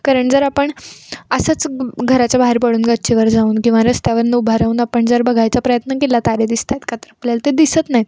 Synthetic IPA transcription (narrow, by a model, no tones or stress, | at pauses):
kaɾəɳd͡zəɾapəɳəsət͡sɡʱəɾat͡ɕjabaɦeɾpəɽuːnɡat͡ɕiʋəɾd͡zauːnkĩw̃ʋaɾəst̪jaʋəɾnəubʱaɾauːnapəɳd͡zəɾbəɡʱajt͡sapɾəjət̪nəkelat̪aɾed̪ist̪ʰajt̪kat̪əɾapljalt̪ed̪isət͡s̪naɦji